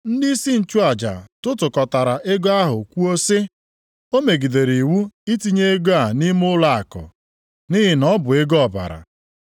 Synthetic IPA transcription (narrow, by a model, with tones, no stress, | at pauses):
n̩˦dɪ˦i˦si˦n̩˨t͡ʃu˦a˨d͡ʒa̰˨tʊ˦tʊ˨kɔ˨ta˨ɾa˨ʔe˦ɡɔ˦a˦ɦʊ˨kʷu˦o˦se˦ | o˦me˨ɡi˨de˨ɾi˨wu˦i˦ti˦ɲe˦e˦ɡo˦a˨ni˦m˦ʊ˦la˨a̰˨kɔ̰˨ | ni˦ɦɪ˨nɔ˦bʊ˨e˦ɡɔ˦˨ba̰˨ɾa̰˨